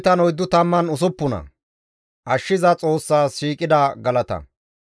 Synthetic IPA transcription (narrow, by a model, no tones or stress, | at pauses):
t̪ɐnɔjd̪ːʊt̪ɐmːɐnʊs̬ʊpːʊnɐ̰ | ʔɐʃːɪzɐt͡sʼo̞ːsːaːsiːkʼɪd̪ɐɡɐlɐt̪ɐ̰